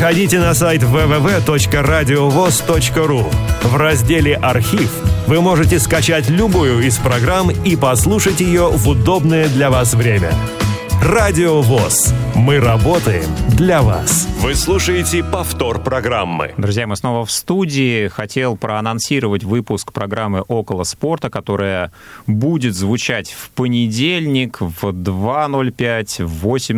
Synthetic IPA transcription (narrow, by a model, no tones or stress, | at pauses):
xɐdʲitʲɪnɐs̬ajt̪ʲvɛvɛvɛt̪o̞t͡ɕkəɾadʲɪovost̪ot͡ɕkəɾuvrɐzʲdʲelʲɪʔɐrxʲifvɨmo̞ʐɨtʲɪskɐt͡ɕætʲlʲʊbujʊɪspɾɐɡɾamipɐslˠuʂətʲjɪjovʊd̪obnəjəd̪lʲɐvasvɾʲemʲə̰ | radʲɪovosmɨɾɐbo̞t̪əjɪ̰md̪lʲɐva̰svɨslˠuʂəjɪtʲɪpɐft̪o̞rpɾɐɡɾamːɨ̰d̪ɾʊzʲjamɨsno̞vəfst̪udʲɪːxɐtʲe̞lˠpɾʔəɐnɐnsʲiɾəvətʲvɨpʊskpɾɐɡɾamːɨʔo̞kəlˠəspo̞rt̪əkɐt̪o̞ɾɨjəbudʲɪt̪zvʊt͡ɕætʲfpənʲɪdʲelʲnʲɪkvd̪vano̞lʲpʲætʲvosʲɪm